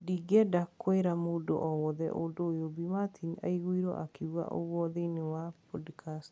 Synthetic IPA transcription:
diɡɛdakʰːoeɾamoːdo̰ʔɔwɔðɛ̰ʔodoːjobimat̪ʰina̰iɣuiɾɔ̰ʔakeua̰ʔo̰ɣwɔðenewapɔdkʰast

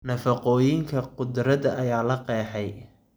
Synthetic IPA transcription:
nɐfɐqɔːjɪŋkʰɐqʊd̪ɾɐðɐʔɐjaːlɐqɛːħɛj

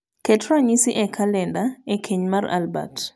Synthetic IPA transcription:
kɛtɾaɲisiʔɛkʰalɛndaekʰeɲmara̰lba̰t

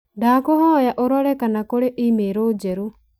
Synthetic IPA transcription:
ɖaːkɔɦɔ̃ɔjaʔɔɾɔɽɛkanakɔɽɛʔimeɾod͡ʒɛɾu

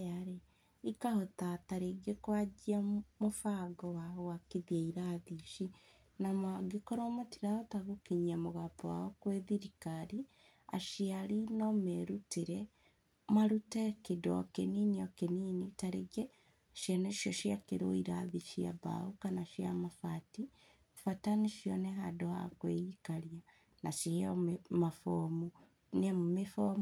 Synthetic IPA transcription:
aɾe | ikahotataɾeɡekwad͡ʒiamofaɡɔwaowakeðiaiɾaðiʃi | namaɡekoɾomotiɾaotaɣokeɲiamoɣapɔwa̰ɔkweðiɾikaɾi | a̰ʃiaɾinɔmeɾuteɾɛ | maɾutekedɔ̰keniniɔkeninitaɾeɡɛ | ʃjaneʃɔʃjakeɾo̰iɾaðiʃia̰βa̰ukanaʃia̰mafati | fataniʃjɔnɛɦadoha̰kweikaɾja | naʃihememafomu | nemumefo

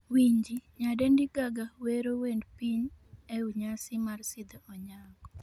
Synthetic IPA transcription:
wiɲd͡ʒiɲadendiɡaɡaweɾowendpiɲeuɲasɪmarsɪd̪ɛɔɲaɡɔ

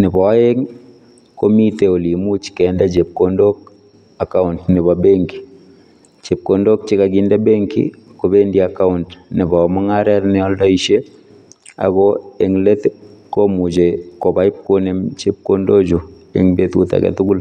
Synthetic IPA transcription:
nɪbɔeŋ | komiteolimut͡ʃkɛndat͡ʃep̚kondok̚ | akaʊntnɪβabeŋki̥ | t͡ʃep̚kondok̚t͡ʃɪkaɡindabeŋkḭkobendiakaʊntnɪβamaŋaɾɛɾnɛɔldɔiʃe | a̰ɣoeŋletkomut͡ʃekobajip̚konemt͡ʃep̚kondod͡ʒu | ḛŋbetuta̰kɛ̰tukul

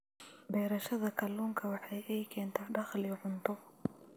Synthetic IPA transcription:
bɛːɾɐʃɐðɐkʰɐluːŋkʰɐwɑħɑjʔɛjkʰɛːnt̪ʰaːɖɑχlɪʕʊnt̪ʰɔ

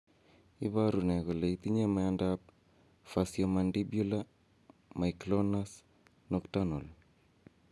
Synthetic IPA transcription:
iβaɾuneɣoleit̪iɲemaandap̚ | fasjomandibjula | maiklɔnas | nɔktanol

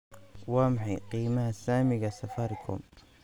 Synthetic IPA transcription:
waːmħaqiːmahasaːmɪɡasɐfaɾkʰʊ̰m

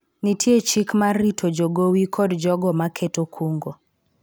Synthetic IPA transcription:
nitʰjet͡ʃikmaritʰod͡ʒoɡowikʰɔdd͡ʒɔɡɔmakʰetokʰuŋɡo

